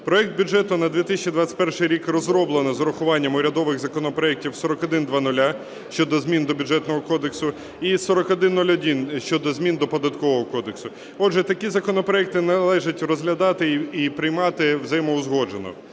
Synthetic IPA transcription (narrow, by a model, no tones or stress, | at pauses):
pɾɔɛk̚d̪̚bʲʊd͡ʒɛt̪ʊnɐd̪ʲʋʲit̪ɪsʲt͡ʃid̪ʋɑtʲt͡sʲɪ̥tʲpɛrʂɪjɾʲikrɔzɾɔblˠenɔzɔɾɔxʊʋɑnʲːɐmʊɾʲɐd̪ɔʋɪɣzɐkɔnɔpɾɔɛk̚tʲiwsɔɾɔkɔd̪ɪnd̪ʋɑnʊlʲa | ʃt͡ʃɔd̪ɔzʲmʲind̪ɔbʲuʐɛt̪nɔɦɔkɔd̪eksʊ | isɔɾɔkɔd̪ɪnːɔlʲɔd̪ʲinʃt͡ʃɔd̪ɔzmʲind̪ɔpɔd̪ɐt̪kɔʋɔɦɔkɔd̪eksʊ | ɔdʒɛt̪ɐkʲizɐkɔnɔpɾɔɛk̚t̪ɪnɐlˠɛʒɐtʲrɔzɦlʲɐd̪ɑt̪ɪipɾɪjmɑt̪ɪwzɐjɛmɔʊzɦɔd͡ʒenɔ̰